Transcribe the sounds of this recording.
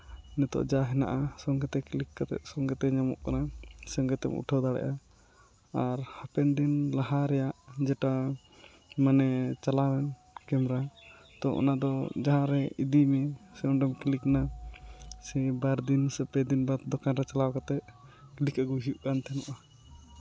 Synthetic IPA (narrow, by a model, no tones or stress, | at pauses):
nɛt̪ɔ̰ʔd͡ʒaɦɛna̰ʔasɔŋɡɛt̪ɛklikːat̪ɛ̰ʔ̪̚sɔŋɡɛt̪ɛɲamɔ̰ʔkanasɔŋɡɛt̪ɛ̰mṵʈʰɔwd̪aɽɛ̰ʔa | aɾhapɛnd̪inlaɦaɾɛjaʔd͡ʒɛʈa | manɛt͡ʃalawɛn | kɛmɾa | t̪ɔʔɔ̰nad̪ɔd͡ʒaɦãɾɛid̪imɛsɛɔnɖɛmklikna | sɛbaɾd̪insɛpɛd̪inbat̪̚d̪ɔkanɾɛt͡ʃalawkat̪ɛʔ̪̚klikaɡuɦijuʔkant̪ɛnɔʔa